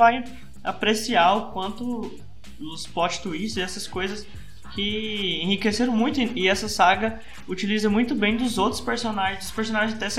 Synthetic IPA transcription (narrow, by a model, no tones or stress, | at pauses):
vaj | a̰pɾesiaʊkwɐ̃nt̪ʊ | ʊspɔt͡ʃɪ̥t̪uiʃzɪɛsɐskojzɐs | kʰɪẽhikeseɾɐ̃mũj̃t̪ʊɪɛsɐsaɡɐ | ut͡ʃilizɐmũj̃t̪ʊbẽj̃d̪ʊzowt̪ɾʊ̥speɾsonaʒẽd̪ʊ̥speɾsõnaʒẽzt̪ɛs